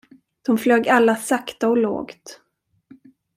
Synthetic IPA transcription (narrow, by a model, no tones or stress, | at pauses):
d̪̥ɔmfløːɡalːasakt̪aɔlo̰ːɡt̪